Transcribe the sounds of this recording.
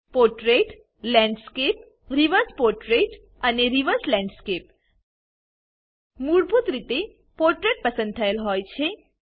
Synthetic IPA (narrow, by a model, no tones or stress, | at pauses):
poɾʈɾeʈ | lɛ̃ɳɖskep̚ | ɾiʋəɾspoɾʈɾeʈ | əneɾiʋəɾslɛ̃ɳɖskep | muɽbʱut̪ɾit̪e | poɾʈɾeʈ̚pəsə̃nd̪̚t̪ʰəelɦojt͡ʃʰe